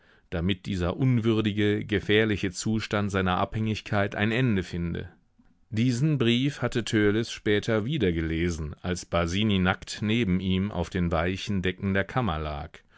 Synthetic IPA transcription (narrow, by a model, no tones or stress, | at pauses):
d̥amɪt̚d̥iːzɐʔʊnvʏɐdɪɡəɡəfɛːɐlɪçət͡suːʃtantz̥aɪnɐʔa̰phɛŋɪçkʰaɪtʔa̰ɪnʔɛndəfɪndə̰ | d̥iːzn̩bʁiːfhatətʰøːlɪsʃpɛːtʰɐviːdɐɡəleːzn̩ʔalsb̥aziːninaktneːbm̩iːmʔa̰ʊfd̥eːnvaɪçn̩dɛkŋ̩deːɐkʰamɐla̰ːk